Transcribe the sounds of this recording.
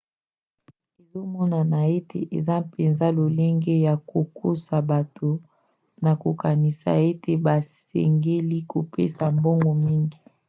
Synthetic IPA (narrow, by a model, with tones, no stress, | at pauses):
e˨zo˦mɔ˦na˨na˨e˦tʰḛ˨ʔe˨za˦pe˨nza˦lo˨le˦ŋɡe˦ja˨ko˨kʰo˦sa˨ba˨to˨ | na˨ko˨ka˨ni˨sa̰˨e˦tʰe˨ba˨sɛ̰˨ŋɡe˦li˦ko˨pḛ˦sa˨mbɔ˦ŋɡɔ˨mi˦ŋɡi˨